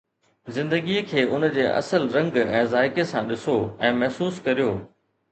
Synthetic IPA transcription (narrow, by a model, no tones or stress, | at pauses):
zɪ̃nd̪əɡiəkʰeːʔʊnd͡ʑeːʔɐ̰səlɾɐ̃ŋɡɛ̃ːzaːɪkesãɗɪsoɛ̃ːmɐɦsuːskɐɾijoː